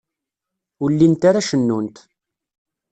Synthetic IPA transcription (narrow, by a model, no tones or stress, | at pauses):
ulːint̪aɾaʃənːunt̪